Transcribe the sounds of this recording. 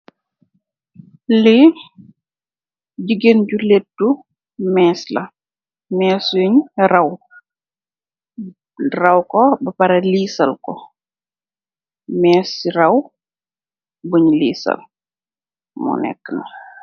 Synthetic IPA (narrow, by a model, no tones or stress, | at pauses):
li | ɟiɡenɟuletːu | mɛːslɐ | mɛːsjuɲrɐw | rɐwkɔbɐpɐɾɐliːsɐlkɔ | mɛːsirɐw | buɲlḭːsɐ̰l | mṵnɛ̰kːənɐ